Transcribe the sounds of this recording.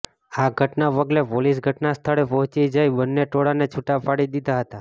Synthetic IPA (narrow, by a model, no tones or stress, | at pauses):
aɡʱəʈnaʋəɡlepolis̬ɡʱəʈnast̪ʰəɭepɔ̃ɦt͡ʃid͡ʒajbənːeʈoɽanet͡ʃʰuʈapaɽid̪id̪aɦət̪a